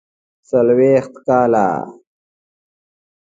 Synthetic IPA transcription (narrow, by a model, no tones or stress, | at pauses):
sɐlweːxt̪kaːla̰ː